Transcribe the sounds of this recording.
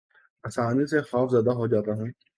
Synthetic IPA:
ɐsaːnisexaːfzəd̪aɦod͡ʒaːt̪aɦũː

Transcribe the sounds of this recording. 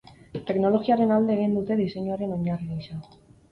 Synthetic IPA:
t̪e̞kno̞lo̞ɣiaɾe̞nald̪e̞ːɣ̞ind̪ut̪e̞ðise̞ɲuaɾe̞no̞ɲariajʃa

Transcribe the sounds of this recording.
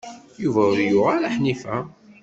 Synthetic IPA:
juvæʊɾjʊʁaɾaħnifæ

